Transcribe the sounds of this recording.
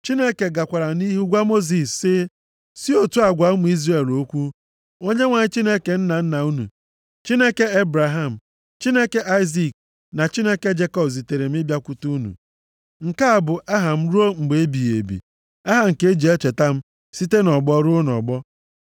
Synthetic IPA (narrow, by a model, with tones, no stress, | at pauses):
t͡ʃi˦ne˦ke˨ɡa˨kʷa˨ɾa˨ni˦ɦu˦ɡʷa˦mo˦zi˨sːɪ˦ | si˦o˨tu˦a˨ɡʷa˨˦m˨˦i˦zre˦˨lo˦kʷu˦ | o˦ɲe˦ŋʷa˨ɲɪ˦t͡ʃi˦ne˦ke˨n̩˦na˨n̩˦na˨u˦nṵ˨ | t͡ʃi˦ne˦ke˦e˦bɾa˨ɦa˦˨m̩˨ | t͡ʃi˦ne˦ke˦ʔa˦ɪ˦zi˨k̚ | na˨t͡ʃi˦ne˦ke˦d͡ʒe˦kɔ˦bzi˨te˨ɾe˨m̩˦ɪ˦bja˦kʷu˦tu˦u˦nṵ˨ | ŋ̩˨ka˦a˨bʊ˨ʔa˦ɦa˨m̩˦ɾu˦o˦ŋ͡m̩˨ɡ͡be˨e˦bi˨jḛ˨bḭ˨ | a˦ɦa˨ŋ̩˨ke˦d͡ʒe˨e˦t͡ʃe˨ta˦m̩˦ | si˦te˦nɔ˨ɡ͡bɔ˦ɾʊ˦nɔ̰˨ɡ͡bɔ˦